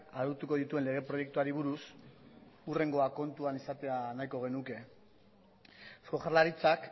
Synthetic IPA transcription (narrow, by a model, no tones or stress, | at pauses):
aðuɾt̪uko̞ðit̪ue̞nle̞ɣ̞e̞pɾo̞je̞k̚t̪uaɾiβ̞uɾus | ure̞ŋɡo̞ako̞nt̪uanisat̪e̞anajkoɣ̞e̞nuke̞ | foxalaɾit͡sak